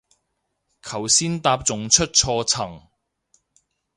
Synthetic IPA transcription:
kʰɐ˨˩wsiː˥nt̪aː˧p̚t͡sʊ˨ŋt͡ʃʰɵ˥t̚t͡ʃʰɔː˧t͡sʰɐ˨˩ŋ

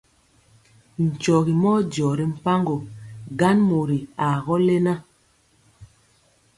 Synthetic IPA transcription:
n̩˨t͡ʃɔ˨ɣi˨mɔ˦d͡ʒɔː˨ɾi˨m̩˦pa˦ŋɡo˨ɡa˦nmo˨ɾi˨a˨ɣɔ˦le˦na˦

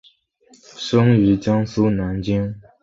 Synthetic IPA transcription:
ʂʊ˥ŋy˧˥t͡ɕjɑ˥ŋsu˥na˨˧˥nt͡ɕi˥ŋ

